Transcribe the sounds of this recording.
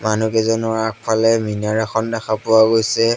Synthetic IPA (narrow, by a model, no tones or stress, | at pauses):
manukɛzɔnɔɹak̚pʰalɛminaɹaxɔndɛxapʊwaɡojsɛ